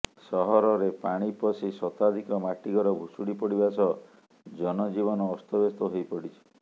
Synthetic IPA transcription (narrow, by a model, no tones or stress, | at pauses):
sɔɦɔɾɔɾepaɽ̃ipɔsisɔt̪ad̪ʱikɔmaʈiɡɔɾɔbʱusuɽipɔɽibasɔ | d͡ʒɔnɔd͡ʒiβɔnɔːst̪ʰɔbest̪ɔɦojpɔɽit͡ʃʰi̥